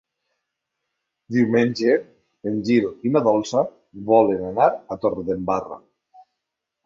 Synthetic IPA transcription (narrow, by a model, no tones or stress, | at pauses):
d̪iwmeɲʲd͡ʒe | enʲd͡ʒiɾoinaðɔlˠsa | βɔlenanaɾat̪oɾðembara̰